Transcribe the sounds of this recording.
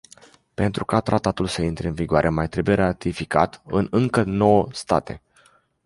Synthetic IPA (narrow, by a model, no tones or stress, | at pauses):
pe̞nt̪ɾukat̪ɾat̪at̪ulsəint̪ɾeɨnviɡoaɾʔemajt̪ɾe̞bujeɾat̪ifikat̪ɨnɨŋkəno̞wəst̪a̰t̪e̞̰